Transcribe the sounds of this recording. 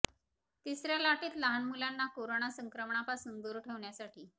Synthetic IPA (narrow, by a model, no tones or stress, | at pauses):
t̪isɾjalaʈiːt̪ləɦanmulanːakoɾoɳasəŋkɾəmɳapasund̪oɾʈʰeʋɳjasaʈiː